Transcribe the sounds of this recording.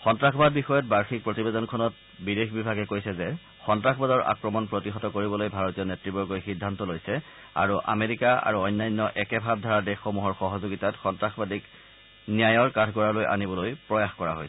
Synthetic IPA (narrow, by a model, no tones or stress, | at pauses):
xɔntɹaxbad̚bixɔjɔt̚baɹxik̚pɹotibedɔnkʰɔnɔt̚ | bidexbibʱaɡɛkojsɛzɛ | xɔntɹaxbadɔɹa̰kɹɔmɔnpɹotiɦɔtɔkoɹibɔlojbʱaɹɔtijɔnetɹibɔɹɡɔjxidʱːantɔlojsɛ | a̰ɹuʔa̰meɹikaa̰ɹuɔjnːajnːɔʔɛkɛbʱab̚dʱaɹadɛxomuɦɔɹxɔɦɔzoɡitatxɔntɹaxbadik | nijajɔɹkatʰɡɔɹalojʔa̰nibɔlojpɹɔjaxkɔɹa̰ɦojsɛ